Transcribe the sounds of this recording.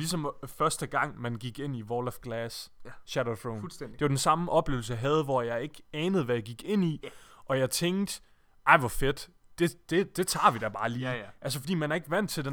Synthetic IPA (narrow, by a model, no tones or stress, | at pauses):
lisɒ̽mfɶɐsd̥əɡ̥ɑ̈ŋ̰mænɡ̥iɡ̥e̝n̰iʋɒːlfɡ̥læːsɕæɾ̥oθɹoʊndd̥e̝ʋɑ̈d̥ensɑ̈məʔɒ̽b̥le̝ʊl̩səjɑɦɛð̞̩ˠʋɒjɑ̈ɪe̝ɡ̥ɛːnəð̩ˠʋæjäɡ̥iɡ̥e̝n̰iʔɒ̽jɑ̈ɪt͡sʰeŋd̥ | ʔɑ̈ɪ̰ʋɒfed̥ | d̥e̝d̥e̝d̥e̝t͡sʰɑ̰̈ːʋid̥æb̥ɑ̈ːliːʔæls̬əfɒ̽d̥ḭːmænæɐe̝ɡ̥ʋæn̰d̥t͡sʰe̝lde